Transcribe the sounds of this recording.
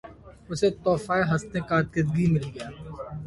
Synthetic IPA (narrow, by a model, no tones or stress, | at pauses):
ʊset̪ɔːfaːeɦɐst̪ẽkaːt̪kɪd̪̚ɡimɪlɡɐjaː